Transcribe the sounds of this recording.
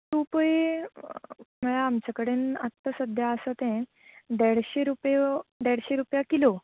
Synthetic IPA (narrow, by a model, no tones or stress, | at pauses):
t̪ũpəi | məɭaːmt͡ɕakəɽenat̪ːəsəd̪ʱjaəsat̪ɛ̃ | d̪ɛɽɕeɾupjed̪ɛɽɕeɾupjakilo